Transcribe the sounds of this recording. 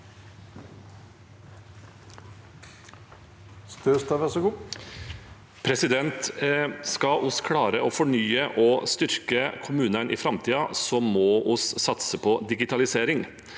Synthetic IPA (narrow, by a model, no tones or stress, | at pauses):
st̪øːst̪ɑʋæsɔɡuː | pʰɾɛsɪd̪ɛnt̪skɑʔʊskʰɽɑːɾəʔoːfɔɳyːəʔoːst̪ʏɾkəkʰʊmʉːnənʔḭːfɾɑmt̪ʰiːɑsɔmoːʔʊssɑt̪səpʰɔd̪ɪɡɪt̪ʰɑlɪseːɾɪŋ